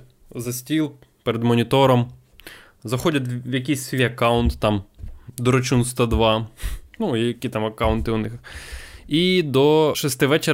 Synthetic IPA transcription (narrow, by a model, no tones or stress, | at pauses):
zɐsʲtʲilˠ | peɾed̪mɔnʲit̪ɔɾɔm | zɐxɔdʲɐt̪ʋjɐk̬ʲijsʲsʲiɐkɑwʊnt̪ːɑmd̪ɔɾɔt͡ʃunst̪ɐd̪ʋɑnujɐkʲit̪ɑmɐkɑwnt̪ɪʊnɪx | id̪ɔʃɛst̪ɪʋɛt͡ʃe